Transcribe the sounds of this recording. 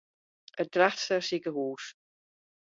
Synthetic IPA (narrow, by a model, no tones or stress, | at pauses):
ət̚d̥raxtsərsikəɦuːs